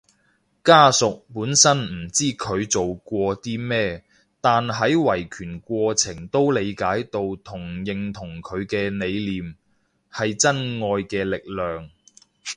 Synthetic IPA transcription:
kaː˥sʊ˨k̚puː˨˥nsɐ˥nm̩˨˩t͡siː˥˩kʰɵ˨˧ɥt͡so˨wkʷɔː˧t̪iː˥mɛː˥ | t̪aː˨nɦɐ˨˥jwɐ˨˩jkʰyː˨˩nkʷɔː˧t͡sʰɪ˨˩ŋt̪o˥wle˨˧jkaː˨˥jt̪o˧wt̪ʰʊ˨˩ŋjɪ˨ŋt̪ʰʊ˨˩ŋkʰɵ˨˧ɥkɛː˧ne˨˧jliː˨m | hɐ˨jt͡sɐ˥nŋɔː˧jkɛː˧lɪ˨k̚lœː˨ŋ

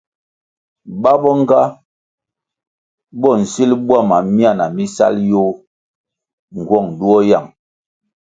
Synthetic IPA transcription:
ba˦bɔ˦ŋ˦ɡa˦ | bɔ˦˨n̩˨si˦lbwa˦˨ma˨mi˦a˦˨na˨mi˦sa̰˦ljo˦ | ŋ̩˨ɡwɔ˦˨ŋ˨du˦ɔ˦ja̰˨ŋ

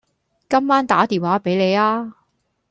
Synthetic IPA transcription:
kɐ˥mːaː˥nt̪aː˨˥t̪iː˨nwaː˨˥pe˨˥jle˨˧jaː˥

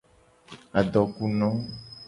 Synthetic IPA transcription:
a˨ɖɔ˨ku˦nɔ̃˨˦

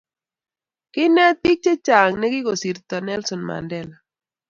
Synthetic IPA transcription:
kɪ˦na˦t̪i˦k̚t͡ʃe˦t͡ʃa˨ŋnɛ˦ɡɪ˦ɡo˨si˨ɾt̪a˨nɛ˦lsɔ˨nma̰˨ndɛla˨

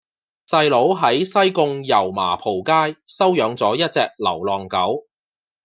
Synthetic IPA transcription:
sɐ˧jlo˨˥wɦɐ˨˥jsɐ˥jkʊ˧ŋjɐ˨˩wma̰ː˨˩pʰo˨˩wkaː˥jsɐ˥wjœː˨˥ŋt͡sɔː˨˥jɐ˥t̚t͡sɛ̰ː˧k̚lɐ̰˨˩wlɔː˨ŋkɐ˨˥w

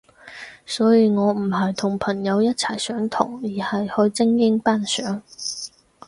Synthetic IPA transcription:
sɔː˨˥jiː˨˧ŋɔː˨˧m̩˨˩ɦɐ˨jt̪ʰʊ˨˩ŋpʰɐ˨˩ŋjɐ˨˧wjɐ˥t̚t͡sʰɐ˨˩jsœː˨˥ŋt̪ʰʊ̰˨˩ŋjiː˨˩hɐ˨jhɵ˧˥jt͡sɪ˥ŋjɪ˥ŋpaː˥nsœː˨˥ŋ

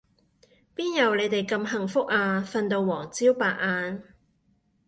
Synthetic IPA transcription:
piː˥njɐ˨wle˨˧jt̪e˨˩jkɐ˧mɦɐ˨˩ŋfʊ˥k̚aː˧fɐ˧nt̪o˨˧wːɔː˨˩ŋt͡siː˥wpaː˨k̚ʔaː˧n

